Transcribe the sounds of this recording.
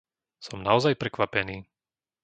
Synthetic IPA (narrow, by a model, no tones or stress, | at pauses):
sɔmnaɔzajpɾɛkʋapɛniː